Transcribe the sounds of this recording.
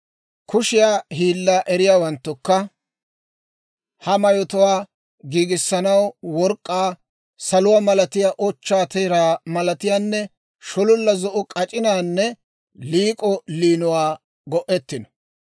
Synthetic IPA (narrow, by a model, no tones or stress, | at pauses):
kʰʊʃɪjaːhiːlːaːʔɛɾɪjaːwɐnt̪ːʊkːɐ | hɐmɐjɔt̪ʊwaː | ɡiːɡɪsːɐnɐwwɔɾkʼːaː | sɐlʊwaːmɐlɐt̪ɪjaːʔɔt͡ʃːaːt̪ɛjɾaːmɐlɐt̪ɪjaːnːɛ | ʃɔlʊlːɐzɔʔʊkʼɐt͡ʃʼɪnaːnːɛ | liːkʼɔliːnʊwaː | ɡɔʔɛt̪ːɪnɔ̥